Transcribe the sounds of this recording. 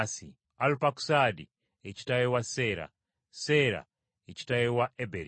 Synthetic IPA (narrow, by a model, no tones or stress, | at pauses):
si | alpaku̥sadi | et͡ʃi̥tajewaseɾa̰ | seɾa̰ | et͡ʃi̥tajewaebeɾi